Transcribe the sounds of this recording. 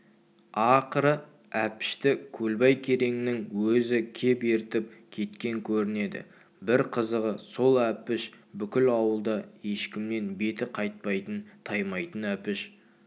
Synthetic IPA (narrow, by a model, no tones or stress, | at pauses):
ɑqəɾə | æpɪ̥ʃt̪ɪkʲʰɵlbɑjkʲʰe̞ɾe̞ŋɪnɪŋwɵzɪkʲʰe̞peɾt̪ɪp̚kʲʰe̞t̪kʲe̞ŋkʲʰɵɾɪne̞d̪ɪ̰ | bɪɾqʰəzəʁəso̞lˠæpɪʃbʏkʲɪlɑwəlˠd̪ɑje̞ʃkʲɪmne̞nbe̞t̪ɪqʰɑjt̪̚pɑjt̪ənt̪ʰɑjmɑjt̪ənæpɪʃ